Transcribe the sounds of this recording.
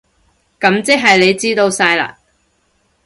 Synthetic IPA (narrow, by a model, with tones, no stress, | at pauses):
kɐ˨˧˥mt͡sɪ˥k̚ɦɐ˨jle˨˧jt͡siː˥t̪o˧wsaː˧jla̰ː˧